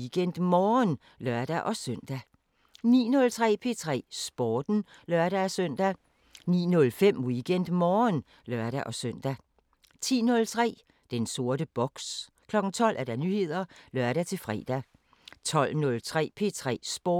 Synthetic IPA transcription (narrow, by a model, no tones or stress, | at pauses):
ɡ̥en̰d̥mɒːn | lɶɐ̰d̥æʔɒ̽søn̰d̥æ | nḭːnɔ̽lt͡sʰʁɛ̰ːpʰe̝t͡sʰʁɛ̰ːsb̥ɒːd̥n̩ | lɶɐɾ̥ææsøn̰d̥æ | nḭːnɔ̽lfem̰wiɡ̥en̰d̥mɒːn | lɶɐɾ̥æʔɒ̽søn̰d̥æ | t͡sʰḭːnɔ̽lt͡sʰʁɛ̰ː | d̥enso̝ɐɾ̥əb̥ɒ̽ɡ̥s | kʰlɒ̽ɡ̥n̩t͡sʰɒ̽l̰ʔæɐɾ̥ɑnyhe̝ð̰ˠɐlɶɐɾ̥æt͡sʰe̝fʁɛ̰ːd̥æ | t͡sʰɒ̽l̰nɔ̽lt͡sʰʁɛ̰ːpʰe̝t͡sʰʁɛ̰ːsb̥ɒ